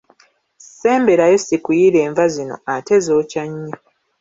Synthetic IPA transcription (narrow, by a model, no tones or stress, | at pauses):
se̞ːmbe̞ɾajesikujiɾe̞ːɱvazino̞̰ate̞zo̞ːcaɲːa